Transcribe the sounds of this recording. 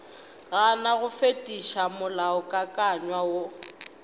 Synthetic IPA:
ɣanaɣʊfetʼiʃamʊlaʊkʼakʼaɲwawo

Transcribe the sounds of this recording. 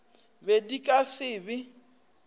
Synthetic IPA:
bedikʼasɪːbɪ

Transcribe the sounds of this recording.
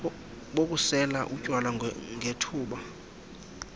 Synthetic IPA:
ɓok̬ʼusɛlaʔucʼwalaŋʱetʰuːɓa

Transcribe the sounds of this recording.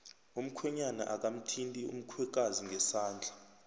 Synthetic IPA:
um̩kʰwɛɲana̰ʔak̬am̩tʰintʼiṵm̩kʰwɛk̬aziŋɡʱɛsaːnd͡ɮʱa

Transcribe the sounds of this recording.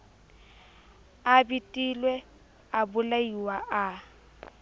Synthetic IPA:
abitʼilwɛ | abʊlaiwaʔa

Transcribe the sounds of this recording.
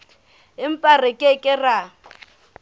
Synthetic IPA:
ɪm̩pʼarɪkʼɪkʼɪra

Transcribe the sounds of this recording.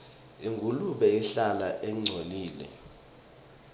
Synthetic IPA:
iŋɡʱuluɓɛiɬalaʔɛŋ͡ǀʱoliːlɛ̰

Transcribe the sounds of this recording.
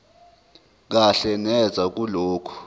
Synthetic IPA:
k̬aɬɛnɛd͡zʱak̬uloːkʰu̥

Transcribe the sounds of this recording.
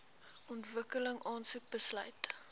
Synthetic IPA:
ɔntvəkələŋʔɑːnsuk̚bəslœɥt

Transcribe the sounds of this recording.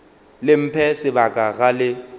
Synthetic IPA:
lɪm̩pʰɛsɪbakʼaɣalɪ

